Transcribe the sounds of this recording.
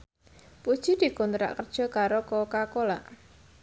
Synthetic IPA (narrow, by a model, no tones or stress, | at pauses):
pud̥ʒ̥i̤d̪̥i̤kunt̪ɾa̰ʔkərd̥ʒ̥ɔ̤kaɾokɔkakolaʔ